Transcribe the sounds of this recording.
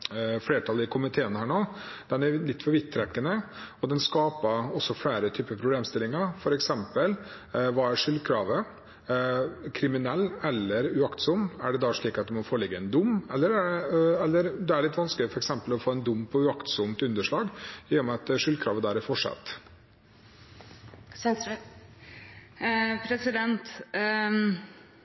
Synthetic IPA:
fɽeːʈʰɑlɪkʰʊmɪt̪ʰeːənhæːɳoː | d̪̥ɛnælɪt̪ːfœɾʋɪt̪ʰːɾɛkːənə | ɔd̪ɛnskɑːpəɔsːɔfɽeːɾət̪ʰyːpəpʰɾʊbleːmst̪ɪlɪŋɑɾfɔɾɛksɛmpəl | ʋɑːæɾʂʏlːkʰɾɑːʋə | kʰɾɪmɪnɛlːɛlːəɾʉɑkt̪sɔmæɖɛd̪ɑʂɭiːkɑt̪̚d̪ɛmɔfoːlɪɡːəɛnd̪ʊmːɛlːəɾæɛɛlːəɾd̪ɛæɭɪt̪ːʋɑnsklɪfɔɾɛksɛmpəlɔfoːɛnd̪ʊmpʰɔʉɑkt̪sɔmt̪ʉnd̪əʂɭɑːɡɪjɛːmɛɑt̪ʂʏlkʰɾɑ̰ːʋəd̪æːɾæɾfɔʂɑ̰t̪ː | pʰɾɛsɪd̪ɛnt̪

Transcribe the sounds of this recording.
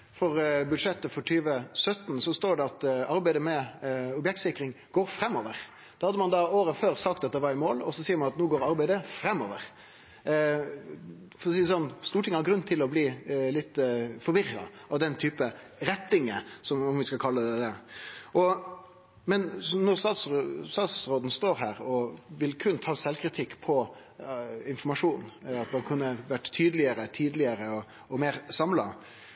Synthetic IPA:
fɔɾbʉd̪ʂɛt̪ːəfɔʈʰyːʋəsœt̪n̩sɔst̪oːɖɛɑt̪ɑɾbæɪd̪əmɛɔbjɛk̚t̪sɪkɾɪŋ | ɡ̥oːɾfɾɛmːɔʋəɾ | d̪̥ɑhɑd̪əmɑnd̪ɑːoːɾəføːɾsɑk̚t̪ɑt̪̚d̪ɛʋɑɾɪmoːlɔsɔsiːəɾmɑnɑt̪nuːɡoːɾɑɾbæɪd̪əfɾɛmːɔʋəɾ | fɔsiːəsɔnst̪uːʈʰɪŋːəhɑɾɡɾʉnːt̪ʰɪlɔbliːlɪt̪ːfɔɾʋɪʁːɑ̰ | ɑʋd̪ɛnt̪ʰyːpə | ɾɛt̪ːɪŋəsɔmɔmʋɪskɑkʰɑlːəd̪ɛd̪ɛʔɔ | mɛnnɔɾsɑsst̪ɑːt̪sɾoːd̪n̩st̪oːɾɦæːɾɔʋɪlkʰʉnt̪ʰɑːsɛlkʰɾɪt̪ʰɪkːpʰɔ | ɪnfɔɾmɑʂuːnɑt̪mɑnkʰʉnːəʋæʈːt̪ʰyːd̪əlɪəɾət̪ʰyːd̪əlɪəɾəɔ | ɔmeːɾsɑmlɑ

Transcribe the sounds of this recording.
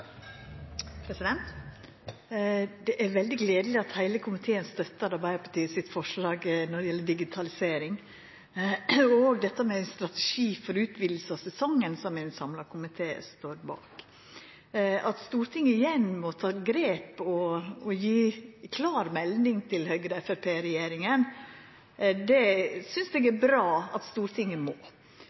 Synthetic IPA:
pʰɾɛsɪd̪ɛnt̪ | d̪ɛʔæɾʋɛld̪ɪɡleːd̪əlɪɑt̪hæɪləkʰʊmɪt̪ʰeːənst̪œt̪ːəɾɑɾbæɪəɾpʰɑʈʰiːəsɪt̪fɔʂlɑːɡnɔɖɛjɛlːəɖɪɡɪt̪ʰɑlɪseːɾɪŋ | ɔoːɡd̪ɛt̪ːəmɛæɪnst̪ɾɑt̪ɛʂiːfɔɾʉːt̪bɪːd̪l̩səɑsɛsɔŋːənsɔmɛɪnsɑmlɑkʰʊmɪt̪ʰeːst̪oːɾbɑ̰ːk | ʔɑt̪st̪uːɾt̪ʰɪŋːəɪjɛnmɔt̪ʰɑːɡɾeːpɔɔjiːkʰlɑːɾmɛlnɪŋt̪ʰɪlhœʏɡɾəɛfɛɾpʰeːɾɛjeːɾɪŋən | d̪ɛsʏnsd̪ɛɡæbɾɑːɑt̪st̪uːɾt̪ʰɪŋːəmoː

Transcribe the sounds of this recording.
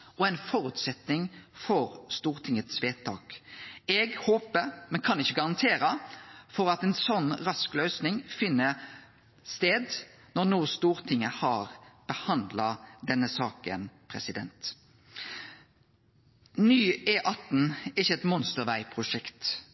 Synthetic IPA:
ɔɛnfɔɾʉːt̪sɛt̪nɪŋfɔɾst̪uːʁt̪ʰɪŋːət̪sʋeːt̪ʰːɑːkɛɡhoːpəmɛnkʰɑnɪçːəɡɑʁɑnt̪ʰeːɾəfɔɾɑt̪ɛnsɔnːʁɑsklœʏsnɪŋfɪnːə | st̪eːd̪ | nɔʁnuːst̪uːʁt̪ʰɪŋːəhɑʁb̥əhɑnd̪lɑd̪ɛnːəsɑːkə̰npʰɾɛsɪd̪ɛ̰nt̪ | nyːeːʔɑt̪n̩ɪçəɛt̪mɔnst̪əʁʋæɪpʰʁʊʂɛkt̪

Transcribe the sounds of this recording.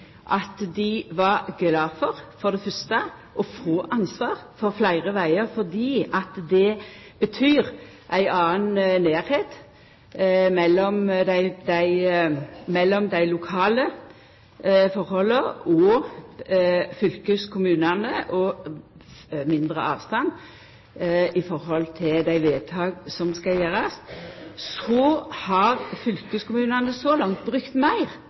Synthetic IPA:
ʔɑt̪d̪ɪʋɑɾɡlɑːfɔʁfɔʁd̪ɛfœst̪ə | ʔɔfoːʔɑnsʋɑːʁfɔɾflæɪʁəʋæɪəɾfɔʁd̪iːɑt̪d̪ɛb̥ət̪ʰyːɾ | ʔæɪʔɑːənneːɾheːt̪ | mɛlːɔmd̪æɪd̪æɪ | mɛlːɔmd̪æɪlʊkʰɑːlə | fɔɾhɔlːəɔ | fʏlkəskʰʊmʉːnənəʔɔ | mɪnd̪ʁəɑːʋst̪ɑnː | ɪfɔɾhɔlt̪ʰɪld̪æɪʋeːt̪ʰɑːɡsɔmskɑjeːɾɑssɔhɑʁfʏlkəskʊmʉːnɑnəsɔlɑŋt̪̚bʁʉkt̪mæɪʁ

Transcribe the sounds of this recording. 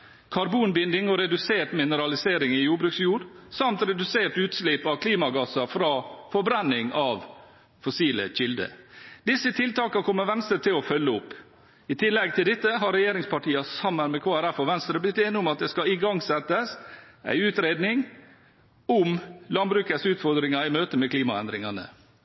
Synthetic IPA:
kʰɑɾbuːnbɪnd̪ɪŋɔɾɛd̪ʉseːʈmɪnəɾɑlɪseːɾɪŋɪjuːbɾʉːksjuːɾsɑmt̪ɾɛd̪ʉseːʈʉːt̪slɪpɑʋkʰliːmɑɡɑsɑfɾɑːfɔɾbɾɛnːɪŋɑʋ | fɔsiːlə̰ɕɪld̪ə̰d̪ɪsːət̪ʰɪlt̪ɑːkɑkʰɔmːəʋɛnst̪ət̪ʰɪlɔfœlːəʊpː | ɪt̪ʰɪlːɛɡt̪ʰɪld̪ɪt̪ːəɦɑɾɛjeːɾɪŋspʰɑʈʰiːɑsɑmːənmɛkʰoːæɾæfːɔʋɛnst̪ɾəblɪt̪ːeːnɪʊmɑt̪̚d̪ɛskɑɪɡɑŋsɛt̪əsʔæ̰ɪʉːt̪ɾeːd̪nɪŋ | ʊmlɑnbɾʉːkəsʉːt̪fɔɾd̪ɾɪŋɑɪmøːt̪əmɛkʰliːmɑɛ̰nd̪ɾɪŋɑnə̰

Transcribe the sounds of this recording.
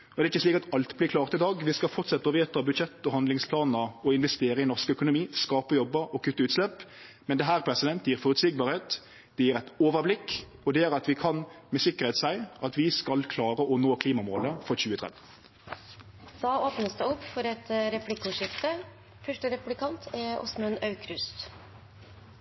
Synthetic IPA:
ɔd̪ɛɾɪçkːəsliːkɑt̪ɑlt̪blɪkʰlɑːʁt̪ɪd̪ɑːɡʋɪskɑlfɔɾt̪sɛt̪ːəɔʋeːt̪əɑbʉd̪ʃɛt̪ːɔhɑnd̪lɪŋspʰlɑːnəɾɔɪnʋɛst̪eːɾəɪnɔʁʂkəœkʊnʊmiːskɑːpəjɔbːəɾɔkʰʉt̪ːəʉːt̪slɛpː | mɛnd̪ɛɦæːʁpʰɾɛsɪd̪ɛnt̪jiːɾfɔʁʉt̪sɪɡ̚bɑːɾheːt̪ | d̪̥ɛjiːɾʁæɪt̪oːʋəblɪk | ɔd̪ɛæːɾɑt̪ʋɪkʰɑnmɛsɪkːəʁeːt̪sæɪɑt̪ʋɪskɑlkʰlɑːɾəʔɔnoːkʰliːmɑmoːləfɔɾçʉːət̪ʰʁɛ̰d̪ | d̪̥ɑːoːpnəsd̪əʊpːfɔɾɛt̪ɾɛplɪkːʊʂɪft̪ə | fœʂʈəɾɛpʉlɪkʰɑnt̪ʰɛʊ̰smœnɑʉkʰɾʉst̪

